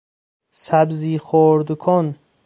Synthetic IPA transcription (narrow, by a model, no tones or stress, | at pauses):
sæbziːχoɾd̪kʰon